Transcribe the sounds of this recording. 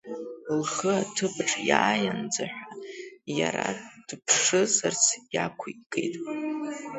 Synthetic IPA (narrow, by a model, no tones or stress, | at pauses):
lχəatʰɨpʰʼʈ͡ʂʰʼjaːjand͡zaħʷᶣajaɾad̥pʰʂɨzart͡sʰjakʷʰukʼḛjtʼ